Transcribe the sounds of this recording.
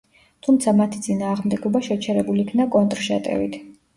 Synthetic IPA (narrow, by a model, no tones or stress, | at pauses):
t̪ʰumt̪sʰamat̪ʰit̪sʼinaːʁmd̪ɛɡɔbaʃɛt͡ʃʰɛɾɛbulikʰnakʼɔnt̪ʼɾʃa̰t̪ʼɛ̰vḭt̪ʰ